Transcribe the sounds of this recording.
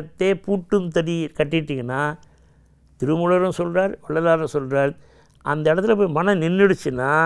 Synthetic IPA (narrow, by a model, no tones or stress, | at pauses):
ɐt̪ːeːpuːʈːɯmt̪ɐɾikɐʈːɪʈːiːŋɡɐnːaː | t̪ɪɾɯmʊɽɐɾɯ̃sɔlraːɾɔɭːɐlaːɾɯ̃sɔlraːɾ | ʔɐ̰nd̪ɐɪɽɐt̪ːɪlɐpoːmɐnɐ̃nɪnːɪɽɯt͡ʃːɯnːaː